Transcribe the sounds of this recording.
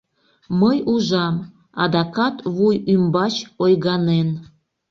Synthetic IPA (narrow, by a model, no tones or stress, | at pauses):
məjuʒɑm | ɑ̰d̪ɑkɑt̪βujymbɑt͡ɕojɣɑnen